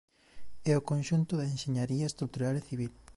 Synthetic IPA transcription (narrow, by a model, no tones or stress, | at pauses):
ɛokonʃunt̪ʊðɐenʃeɲaɾiɐest̪ɾukt̪uɾaleθiβ̞il